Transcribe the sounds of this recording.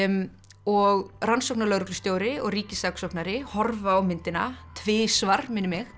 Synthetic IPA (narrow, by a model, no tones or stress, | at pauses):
ɔɣransɔwknaɾlœɣɾʏklʏst̪joːwɾɪɔɣriːcɪsaksɔwknaɾɪhɔɾvaːwmɪnt̪ɪna̰t̪ʰvɪːsvaɾmɪnːɪmɪx